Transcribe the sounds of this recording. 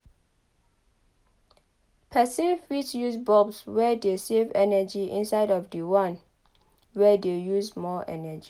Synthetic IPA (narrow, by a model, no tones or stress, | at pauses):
pʰɛsĩnfitjusbɔbswɛdesevɛnəd͡ʒiʔḭ̃nsaɪdɔfdəwãn | wɛdejusmɔʔɛ̰nəd͡ʒi